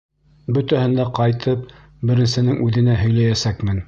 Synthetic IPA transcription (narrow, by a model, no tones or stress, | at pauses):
bɵt̪æhɘ̆nd̪æqɑjt̪ʰɤp̚ | bɘ̆ɾɘ̆nsɘ̆nɘŋʔʉðɘ̆næɦɵ̆jlæjæsækmɘn